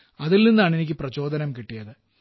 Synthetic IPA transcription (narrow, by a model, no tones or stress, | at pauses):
ɐðilninːaːɳe̞nikʲːɨprɐt͡ɕo̞ːd̪ɐnɐmkiʈːijɐðɨ